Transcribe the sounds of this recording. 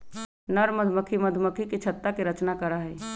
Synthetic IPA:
nəɾməd̪ʱməkʰiməd̪ʱməkʰiket͡ʃʰət̪ːakeɾət͡ʃnakəɾaɦɛ

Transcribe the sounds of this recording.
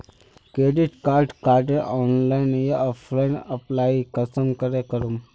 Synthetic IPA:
kɾeɖiʈkaɾɖkaɾɖeʔɔnlainjaʔəflainəplaikəsəmkəɾekəɾuːm

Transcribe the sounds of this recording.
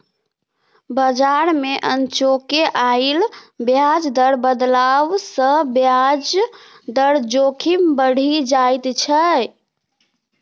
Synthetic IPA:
bəd͡ʒaɾmeʔənt͡ʃokeʔailbjad͡ʒd̪əɽbəd̪laʋsə̃bjad͡ʒ | d̪əɽd͡ʒokʰimbəɽ̤ʱid͡ʒajt̪t͡ʃʰə

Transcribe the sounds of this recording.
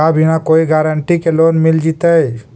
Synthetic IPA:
abʱiñakoiɡaɾəɳʈikeloːnmild͡ʒit̪əj

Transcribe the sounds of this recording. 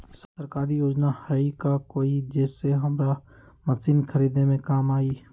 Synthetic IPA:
sət̪əɾkaːɾijoːd͡ʒnahɛikakoːid͡ʒɛːseɦɐmɾa | məsiːnkʰəɾiːd̪nemẽkaːmaːiː

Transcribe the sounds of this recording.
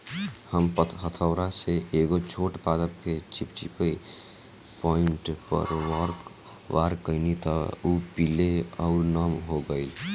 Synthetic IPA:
həmpət̪ɦət̪ʰəwɾaseʔeɡot͡ʃʰoːʈpad̪əp̚kʰet͡ʃipt͡ʃipəi | pɔɪɳʈpə̰ɾʋɔɾ | ʋaɾkəɪnit̪ɔupileəʊɾnəmɦoɡəɪl

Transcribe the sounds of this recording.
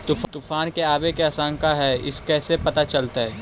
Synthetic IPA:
t̪ʊft̪ʊfaːnkeaːbekeasãːŋkaɦɛɪ̰skɛːsepɐt̪at͡ʃɐlt̪aɦɛː

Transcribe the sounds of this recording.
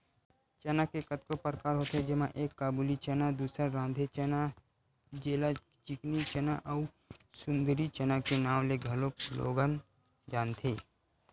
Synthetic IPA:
t͡ʃənakekət̪̚kopəɾkaːɾɦoːt̪ed͡ʒɪmãʔeːkːaːbuːlit͡ʃənad̪uːsəɾɾãːnd̪ʱet͡ʃna | d͡ʒeːla | t͡ʃɪknit͡ʃənaʔaʊ | sʊ̃nd̪əɾit͡ʃənakenaːwleɡʱɐloklo̰ːɡən | d͡ʒaːnt̪ʰeː

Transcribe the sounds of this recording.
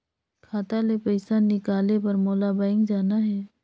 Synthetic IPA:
kʰaːt̪alepɐɪsanːɪkaːlepɐɾmoːlabaːɪ̃ŋɡd͡ʒaːnaɦɛː

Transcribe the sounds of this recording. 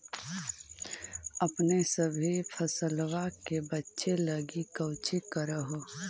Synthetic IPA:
əpnesəbʱipʰəsəlwakebətːʃeləɡikəʊt͡ʃikəɾəɦo

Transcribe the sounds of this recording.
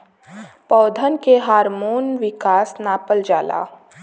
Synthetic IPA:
pɔːd̪ʱənkeɦaːɾmoːnʋɪkaːsnaːpəld͡ʒaːla̰ː

